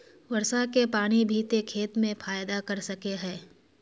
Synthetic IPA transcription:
ʋɐɾsakepaːɽ̃ibʱiːt̪ekʰeːt̪mẽfʰaːjd̪akɐɾsɐkeɦɛ̃ː

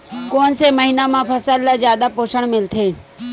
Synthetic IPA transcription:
koːnseməɦiːnamãpʰəsəlːazjaːd̪apoːʃəɽ̃mɪlt̪ʰeː

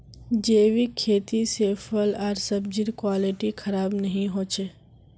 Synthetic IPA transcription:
d͡ʒeːʋikʰeːt̪iseːfʰəlaɾsəb̚d͡ʒɪɾkwaːliʈikʰɐɾaːbnɐɦĩɦoːt͡ʃʰe

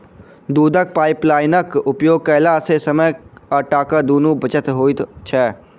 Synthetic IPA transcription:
d̪uːd̪ək̚paːɪplaːɪnəkʊpjoːɡ̚kəɦlasesəməjəʈaːkəd̪oːnubət͡ʃət̪ɦoːt̪t͡ʃʰɛː

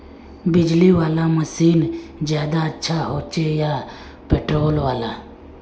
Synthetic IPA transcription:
bɪd͡ʒliwaːlaməsiːnzjaːd̪aətːʃʰaɦoːt͡ʃejaː | peːʈɾoːlwaːlaː

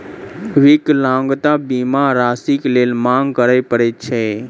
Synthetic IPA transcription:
ʋɪklãːŋɡt̪abimãɾaːsikleːlmãŋɡkəɾəjpəɾet͡ʃʰɛ

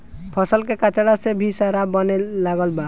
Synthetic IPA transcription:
pʰəsəlkekat͡ʃaɽasebʱisaɾabənelaɡəlba

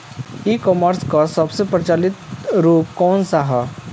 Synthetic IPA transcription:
iːkɔməɾskasɐbsepɾət͡ʃaːlɪt̪ɾuːp̚kɔːnsaɦɛ

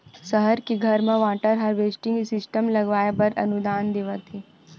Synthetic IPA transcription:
səɦəɾkiɡʱɐɾmẽʋaːʈəɾɦɐɾʋeːsʈɪ̃ŋsɪsʈəmlɐɡʋaːjepɐɾɐ̰nud̪aːnd̪eːʋət̪i

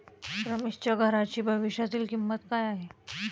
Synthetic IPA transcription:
pɾəmist͡ɕəɡʱəɾat͡ɕiːbʱəʋiɕjat̪iːlkimːət̪kaːjaɦe

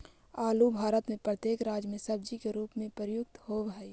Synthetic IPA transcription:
aːlubʱaːɾət̪mẽpɾət̪jeːkɾaːd͡ʒjmẽsɐb̚d͡ʒikeɾuːpmẽpəɾjʊk̚t̪hobɦɛi

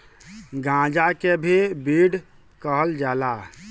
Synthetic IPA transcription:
ɡãd͡ʒakebʱibiɽ | kəɦəld͡ʒala

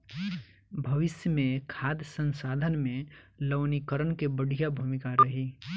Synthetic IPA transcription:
bʱɐʋɪsjəmẽkʰaːd̪jəsə̃nsaːd̪ʱənmẽləʋnikəɾənkebəɽ̤ʱijabʱumɪkaɾɐɦi

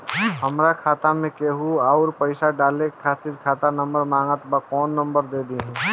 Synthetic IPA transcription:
ɦəmɾakʰaːt̪amẽkeɦuaʊɾpəɪsaɖaːlekʰaːt̪ɪɾkʰaːt̪anɐ̃mbəɾmãːŋɡət̪bakɔːnːə̃mbəɾd̪eːd̪iɦɛ̃

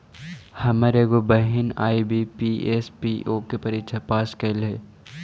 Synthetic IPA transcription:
hɐmaːɾeɡobɐɦɪna̰ːibʱipiʔeːspiʔoːkepɐɾiːkʃʰɐpaːskɐlɦeː

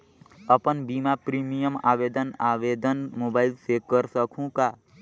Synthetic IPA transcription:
əpənbimapɾimijəma̰ːbeːd̪ənabed̪ənmoːbaːɪlsekəɾsəkʰũka

